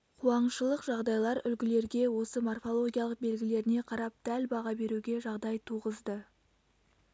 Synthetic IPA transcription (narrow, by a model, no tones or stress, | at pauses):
qʰuɑɴʃəlˠəqʒɑʁd̪ɑjlˠɑɾʏlɡʲɪle̞ɾɡʲe̞wo̞səmorfo̞lˠo̞ɡʲijalˠəq̚be̞lɡʲɪle̞ɾɪne̞qʰɑɾɑp̚d̪̥ælbɑʁɑbe̞ɾuɡʲe̞ʒɑʁd̪ɑjt̪ʰuʁəzd̪ə